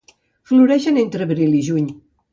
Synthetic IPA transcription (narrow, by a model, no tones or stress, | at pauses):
fluɾɛʃənent̪ɾəβɾilˠiʒuɲ